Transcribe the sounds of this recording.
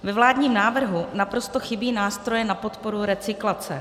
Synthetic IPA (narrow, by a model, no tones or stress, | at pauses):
vɛvlaːdɲiːmnaːvr̩ɦunapɾo̞st̪o̞xɪbiːnaːst̪ɾo̞jɛnapo̞t̪po̞ɾuɾɛt͡sɪklat͡sɛ